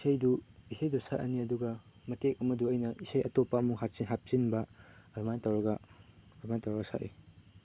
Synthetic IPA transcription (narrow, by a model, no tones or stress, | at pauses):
isʰɐjduisʰɐjdusaʔʔɐ̰niɐduɡɐ | mɐtek̚ɐmɐduɐjnɐʔisɐjʔɐtopːɐɐmuŋɦat̚sinɦat̚sinbɐɐɾmantɐwɾɐɡɐɾmantɐwɾɐɡɐsa̰ʔe